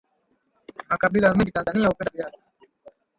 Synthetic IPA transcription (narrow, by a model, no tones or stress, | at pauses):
makaɓilaamĩŋɡitanzaniahupɛndaviasḁ